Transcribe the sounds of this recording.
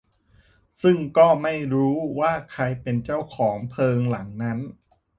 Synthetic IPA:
sɯ˥˩ŋkɔː˥˩ma˥˩jɾuː˦˥waː˥˩kʰa˧jpe˧nt͡ɕa˥˩wkʰɔː˩˦ŋpʰɤː˧ŋla˩˦ŋna˦˥n

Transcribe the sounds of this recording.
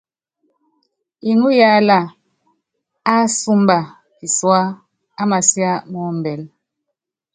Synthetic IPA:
i˨nu˦ja˦la˦˨ | a˦su˦mba˨ | pi˨swaː˦ | ma˨sja˦mɔ˨˦m˨bɛ˨l

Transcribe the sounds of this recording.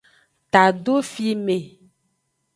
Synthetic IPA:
t̪a˨ɖo˦fi˦mẽ˨

